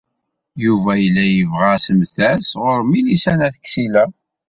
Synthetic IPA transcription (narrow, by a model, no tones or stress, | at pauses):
juvæjəlːæjəvʁæsəmθæsʁʊɾmilisænæθə̥kːsilæ